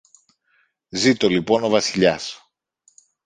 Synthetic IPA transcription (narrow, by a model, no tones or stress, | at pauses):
zit̪o̞lipo̞no̞vɐsiʎɐs